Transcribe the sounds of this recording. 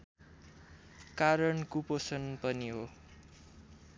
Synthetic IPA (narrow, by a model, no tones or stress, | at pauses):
kaɾʌnkuposʌnpʌniɦo